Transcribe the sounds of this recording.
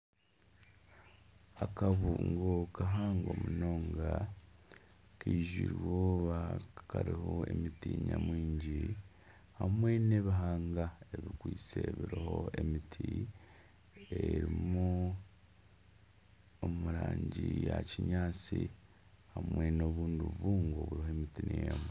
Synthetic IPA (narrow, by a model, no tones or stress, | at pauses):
akaβuŋɡokaɦaːŋɡoːmuno̞ːŋɡa | kiːʒwiːɾwoːβakaɾiho̞emitiɲamwiːɲɟi | hamwe̞ne̞βiɦaːŋɡaeβikwiːt͡se̞βiɾiho̞e̞mitʰi | eɾimmu | omuɾaːɲɟijaciɲaːt͡si | hamwe̞no̞ːβuːnduβuːŋɡo̞βuɾihomitinejamu